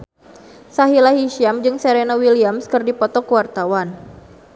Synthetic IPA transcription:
saɦilaɦiʃiamd͡ʒɨŋseɾenawiliamskɨrdipɔt̪ɔkuwart̪awan

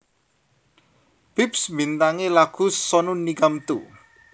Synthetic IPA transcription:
b̥ipsbint̪aŋelaɡ̥ṳsɔnunːiɡamt̪u

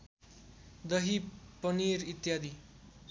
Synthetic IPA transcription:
d̪ʌɦipʌniɾit̪jad̪i

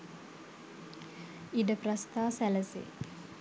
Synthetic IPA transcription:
iɖəprast̪aːsæləsḛ

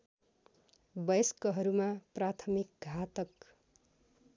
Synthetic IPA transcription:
bʌjʌskʌɦʌɾumaprat̪ʰʌmik̚ɡʱat̪ʌk

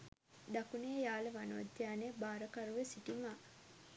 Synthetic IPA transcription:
d̪akunejaːləʋanoʋt̪ːjaːnebaːɾəkaɾuʋesiʈimaː

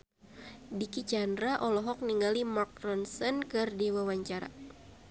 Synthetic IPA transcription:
dikit͡ʃandɾaʔɔlɔɦɔk̚niŋɡalimark̚rɔnsɔnkɨrdiwawaɲt͡ʃaɾa̰

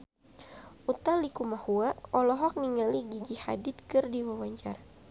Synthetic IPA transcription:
ut̪alikumahuaʔɔlɔɦɔk̚niŋaliɡiɡiha̰dɪt̪̚kɨrdiwawaɲt͡ʃara

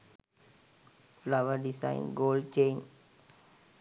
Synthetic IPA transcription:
flaʋəɾɖisa̰ɪ̰nɡoːlɖt͡ʃeːn

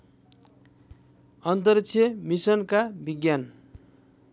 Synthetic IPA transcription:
ʌnt̪̬ʌrk̚t͡sʰjʌmisʌnkabiɡjan

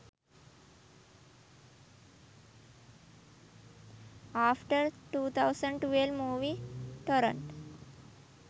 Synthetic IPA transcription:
afʈəɾʈuːt̪ʰawsə̃ɳɖʈʋelʋmuʋiʈəɾə̰̃ɳʈ

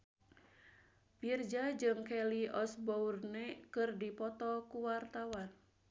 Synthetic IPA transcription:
pird͡ʒad͡ʒɨŋkɛliʔɔsbɔurnɛkɨrdipɔt̪ɔkuwart̪awan

